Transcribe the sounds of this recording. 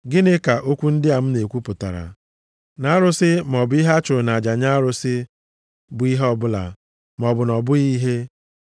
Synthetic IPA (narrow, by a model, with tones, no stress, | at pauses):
ɡɪ˦nɪ˦ka˨ʔo˦kʷu˦n̩˦dɪ˦a˨m̩˦ne˨kʷu˦pʊ˨ta̰˨ɾa̰˨ | na˨˦a˦ɾʊ˦sɪ˦m˨ɔ˨bʊ˦i˦ɦa˦t͡ʃʊ˨ɾʊ˨na˨a˨d͡ʒa˨ɲa˦a˦ɾʊ˦sɪ˦ | bʊ˨˦i˦ɦɔ˦bʊ˦la̰˨ | m˨ɔ˨bʊ˨nɔ˨bʊ˦i˦ɦe˦